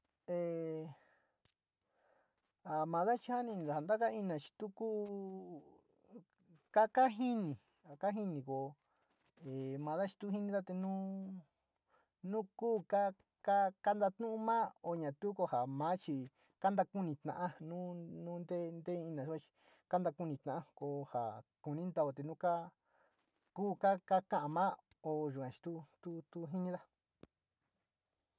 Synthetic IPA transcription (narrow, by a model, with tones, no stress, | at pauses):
e˨ | a˨mã˨˧ða˦t͡ʃi˧ha˦nĩ˧nĩ˧ða˨a˨nd̪a˦ka˦i˧nã˨t͡ʃi̥˧t̪u˦ku˦ | ka˦ka˦ɦi˦nĩ˨ | a˨ka˦ɦi˦nĩ˨ko˨ | e˨mã˨˧ða˦t͡ʃi̥˧t̪u˦ɦi˦nĩ˧ða˦t̪e˧nũ˦ | nũ˦kuː˦ka˦ | ka˦ka˦nd̪a˧t̪nũ˦ũ˦mã˦o˧ɲã˨t̪u˦ko˧ha˨mã˨˦t͡ʃi˧ | ka˦nd̪a˧ku˦nĩ˧t̪nã̰˨ʔã˦nũ˦nũ˦nd̪e˦nd̪e˦˧ĩ˧nã˨u˦ka˧t͡ʃi̥˧ | ka˦nd̪a˧ku˧nĩ˧t̪nã˨ʔa˦˧ko˧ha̰˨ku˨˧nĩ˦nd̪a˧o˧t̪e˨nũ˦ka˦ | kuː˦ka˦ka˦kã˦ʔã˧mãː˦ | o˧ʒu˨kã˨t͡ʃi̥˧t̪u˦t̪u˦t̪u˦ɦi˦nĩ˧ða˦